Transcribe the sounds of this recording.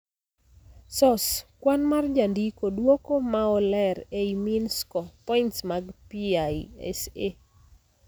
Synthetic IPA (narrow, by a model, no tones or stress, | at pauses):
sɔskwanmard͡ʒandikodwokomaɔlɛɾeiminskɔpɔintsmaɡpiajɛ̰se